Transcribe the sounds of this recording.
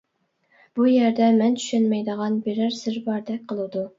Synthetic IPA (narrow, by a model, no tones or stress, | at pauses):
b̥ujɛɾd̪ɛmɛnt̪ʰy̥ʃɛnmɛjd̪əʁɑnbeɾæɾsɪɾbɑɾd̪ɛk̚ʲqʰəlˠud̪u